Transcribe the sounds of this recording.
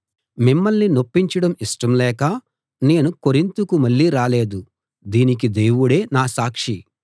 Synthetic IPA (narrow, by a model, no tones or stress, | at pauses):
mimːɐlnino̞pːiɲt͡ʃɐɽɐmiʂʈɐmlɛːkɐ | ne̞ːnuko̞ɾint̪ukumɐɭːiːɾaːle̞ːd̪u | d̪iːnik̬id̪e̞ːwuɽe̞ːnaːsaːkʂi